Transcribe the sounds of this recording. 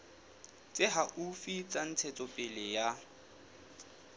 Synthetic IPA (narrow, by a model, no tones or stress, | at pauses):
t͡sʼɪɦaʔufit͡sʼan̩t͡sʰɛt͡sʼɔpʼɪlɪja